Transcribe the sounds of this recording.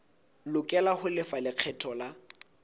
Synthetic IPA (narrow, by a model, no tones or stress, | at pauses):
lʊkʼɛlahʊlɪfalɪq͡χʰɛtʰɔla